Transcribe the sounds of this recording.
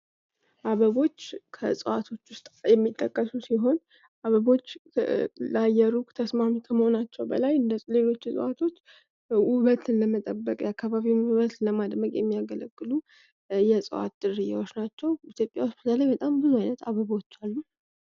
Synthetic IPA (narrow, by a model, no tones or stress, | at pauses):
ʔaβəβo̞t͡ʃːkʰə̰sʼəwat̪ʰo̞t͡ʃːwʊst̪ʼjɛmːit̪ʼːəkʼːəsusiɦo̞n | ʔaβəβo̞t͡ʃː | lajːɛɾut̪ʰəsmamut̪ʰəməho̞nat͡ʃːɛwbə̰lajɨnd̪əle̞lo̞t͡ʃːɪsʼə̰wat̪ʰo̞t͡ʃː | wʊβət̪ʰɨnləmət̪ʼəbːəkʼjakʰːaβaβiwβət̪ləmad̪məkʼjɛmːijaɡələɡːɨlu | jɛsʼə̰wa̰t̪̚d̪ɨrːɨja̰wot͡ʃnat͡ʃːɛwit̪jo̞pʼja̰wʊsbɨt̪ʰələjbət̪ʼambɨzuajnət̪ʰaβəβo̞t͡ʃːalːu